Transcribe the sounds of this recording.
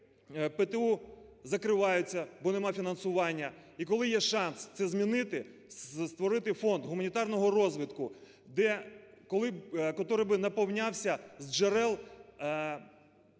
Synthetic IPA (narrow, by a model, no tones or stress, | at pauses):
pet̪euzɐkɾɪʋɑjʊt͡sʲːɐbɔnemɑfʲinɐnsʊʋɑnʲːɐikɔlˠɪjɛʃɑnst̪sɛzmʲinɪt̪ɪ | st̪ʋɔɾɪt̪ɪfɔnd̪ɦʊmɐnʲit̪ɑrnɔɦɔrɔzʋɪt̪kʊ | d̪ɛkɔlˠɪkɔt̪ɔɾɪbɪnɐpɔwnʲɑwsʲɐzd͡ʒeɾɛlˠ